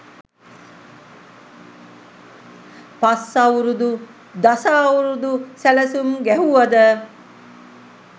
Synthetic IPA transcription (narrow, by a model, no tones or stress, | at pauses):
pasːauɾud̪u | d̪asauɾud̪usæləsumɡæɦuʋad̪ə